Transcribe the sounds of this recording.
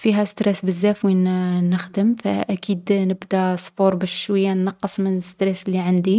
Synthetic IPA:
fiɦæst̪ɾɛsbəzːæfwinnəxd̪əmfæ̰ʔækid̪nəbd̪æsˤbuɾbæʃʃwəjːaænːɑqːəsˤmənəst̪ɾɛslːiʕand̪i

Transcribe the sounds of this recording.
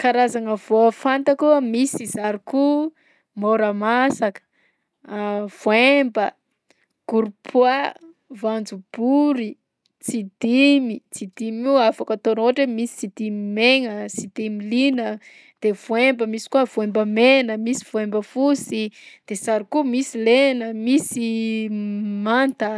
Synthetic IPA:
kaɾazaŋəvoəfant̪əkumisizaɾiku | moɾamasakə̥ | v̥oembə | ɡ̥uɾupʰwa | vand͡zub̥uɾi | t͡sid̪̥imit͡sid̪imiuafakat̪onoʈ͡ʂəmisi̥t͡sid̪imimeŋəsid̪̥imilinə | d̪̥ev̥oembəmisi̥kuəv̥uembəmenəmisi̥v̥oembəfusid̪̥esaɾikumisilenəmisi | mant̪ə

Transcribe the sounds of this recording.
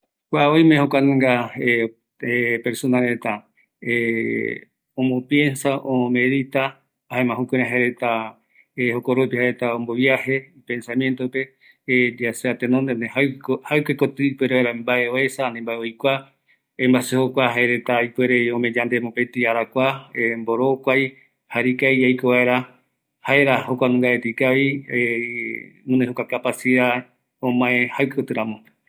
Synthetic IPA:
kʷaoj̃mẽhokʷanẽŋɡae | epe̞ɾsonaɾet̪a | e | õmopje̞nsaʔome̞ðit̪aː | haemãɦukʷeɾẽɦaeɾet̪a | ehokoɾopihaɾet̪aõmboβjiahe̞pe̞nsamjent̪ope̞ | d͡ʒaseat̪ẽnond̪enẽhakhawkekot̪ɨipweɾeβaeɾambaʔeoesanẽmbaeojkʷa | ẽmbasehokʷaɦaeɾet̪aipwe̞ɾe̞õmẽd͡ʒand̪e̞mõpet̪iaɾakʷaemboɾokʷaj | haɾikajajkoβae̞ɾa | hae̞ɾahokʷanũŋɡaet̪ikaβie | nõnd̪ehokʷakapasia | õmãẽhawkekot̪ɨɾãmõ

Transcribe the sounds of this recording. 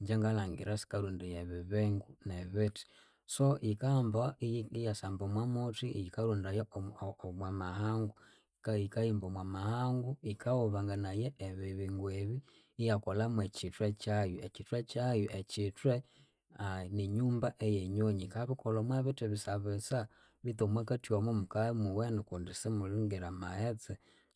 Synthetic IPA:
ɲd͡ʒɛŋɡalaŋɡḭɾasi̥kaɾundijɛβiβɛŋɡunɛβiti̥ | soʔikambaijasambomwamutijikaɾundaja | mwamahaŋɡu | kikajimbomwamahaŋɡuikaɔβaŋɡanajɛːβiβiŋɡwɛβiː | jakolamwet͡ʃitwet͡ʃajuet͡ʃitwet͡ʃajuʔet͡ʃitwe | aniɲuːmbaʔejeɲoɲikaβikolomwaβitiβisaβesa | βitomwakatiwamomukamuwenikundisemuliŋɡiɾamaet͡sɛ

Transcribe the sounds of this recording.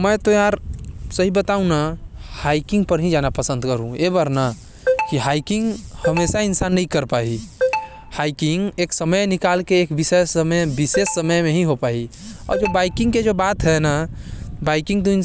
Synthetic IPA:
məjt̪oaɾsəɦibət̪aũnahaikɪ̃ŋɡ̚pəɾɦĩd͡ʒanapəsə̃nd̪kəɾũebəɾna | kiɦaikɪ̃ŋɡhəmesaɪnsaːnːəɦĩkəɾpai | haɪkɪŋɡeːksəməjnikalkeeːkbisesəməjbisesːəməjmẽɦiɦopaiɔ̰ːɾd͡ʒobaɪkɪ̃ŋɡked͡ʒobat̪ɦɛnabaɪkɪ̃ŋɡt̪oin

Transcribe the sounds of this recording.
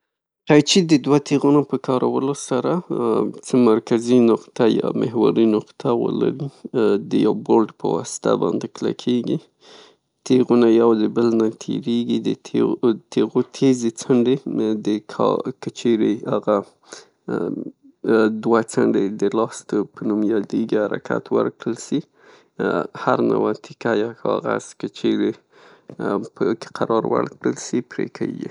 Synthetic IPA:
qajt͡ʃid̪əd̪wat̪eɣunopəkɑɾawəlosaɾat͡səmaɾkazinʊqt̪ajɑ̰mɪ̰ɦwaɾinʊqt̪ʰawə̰la̰ɾid̪əjawbolɖpə̰wɑ̰sɪ̥t̪a̰bɑ̰nd̪ekla̰kʰeɡi | t̪eɣunajawd̪əbəlnat̪ʰḛɾeɡid̪ət̪eɣot̪ʰezet͡saɳɖed̪əkʰkət͡ʃʰeɾeaɣa | d̪wat͡saɳɖed̪əlɑst̪opʰənumjɑd̪eɡihaɾakʰa̰t̪wə̰ɾkɽəlsi | haɾna̰wat̪ʰɪ̥kajakʰɑ̰ɣaz̥kət͡ʃeɾe | pəke̥qʰaɾɑɾwa̰ɽkɽəlsipɾḛkʰḛɡḭ

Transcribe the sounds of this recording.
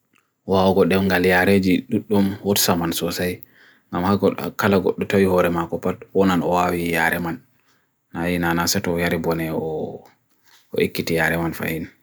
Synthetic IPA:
waɔɡɔɗɛmɡaljaɾed͡ʒiɗuɗːumwɔtsamansɔsaj | ŋɡamhaɡɔ̰kalaɡɔ̰ɗːɔtawihɔɾɛmakɔpatwɔnanɔwawijaɾʔɛmanː | ajinanasɛtɔjaɾibɔnɛɔ | ɔ̰ʔikːitijaɾɛmanfa̰hin

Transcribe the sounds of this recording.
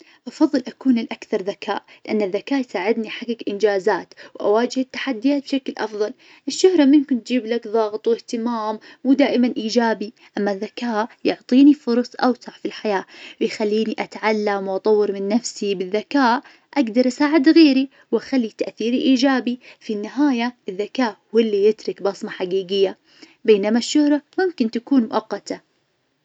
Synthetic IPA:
ʔɑfɑðˤːɨlʔakuːnɪlʔakθɑɾˤðaka̰ːʔlɪʔanːaðːakaːʔjsaːʕɪd̪niħaɡːakʔɪnd͡ʒaːzaːt̪wʔa̰waːd͡ʒɪhɪt̪ːḁħad̪ːɪjaːt̪̚b̥ʃaklʔɑfðˤɑl | ʔɪʃːʊhɾˤɑmɪnkʊnt̪d͡ʒiːblakðˤɑɣt̪ˤwɪht̪ɪmaːmwd̪aːʔɪmanʔiːd͡ʒaːbi | ʔamːaðːakaːʔjʊʕt̪ˤiːnifʊɾˤsˤʔawsaʕfilħajaːwɪjxalːiːniʔat̪ʕalːamwʔɑt̪ˤɑwːɨɾmɪnːafsibɪðːakaːʔ | ʔaɡd̪ɑɾˤʔasaːʕɪd̪ɣeːɾi | wʔaxalːit̪aʔθiːɾiʔiːd͡ʒaːbifinːɪɦaːjaɪðːakaːʔwɪlːijɪt̪ɾɪkbɑsˤmɑħaɡiːɡɪjːa | beːnamaʃːʊhɾˤɑmʊmkɪnt̪akuːnmʊʔɑqːɑt̪ʰa

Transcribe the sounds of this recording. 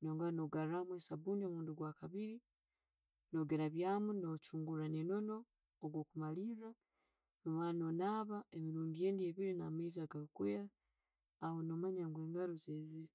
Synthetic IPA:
no̞ːŋɡanoɡaɾamwe̞saβuːniomuːnduɡwaːkaβiɾi | no̞ɡe̞ɾaβjaːmunot͡ʃuːŋɡuɾaneno̞no̞ː | ɡwo̞ːkumalira | mumano̞naːβaemiɾuːndije̞ːndie̞βiɾinamaizaɡaukweɾa | ahono̞maɲaŋɡwe̞ːŋɡaɾozezi

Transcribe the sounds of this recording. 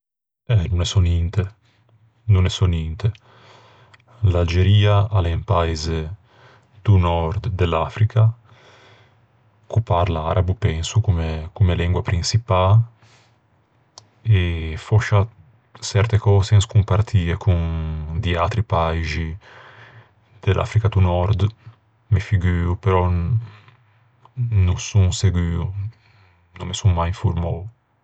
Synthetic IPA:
ɛnunɛsɔnint̪e | nunɛsonint̪e | lald͡ʒeɾiːaalempaize | d̪̥unɔɾd̪d̪elafɾikʰa | kupaɾla̰ɾabupɛnsukumekumelɛŋɡwapɾinsipa | efɔʃa | sɛɾt̪ekɔːzɛnskumpaɾt̪ʰiːekund̪iat̪ɾipajʒi | d̪̥elʔa̰fɾikad̪unɔɾd̪ | mefiɡyːupeɾɔ | nusuŋseɡyːu | nõmesuŋmajiɱfuɾmɔw

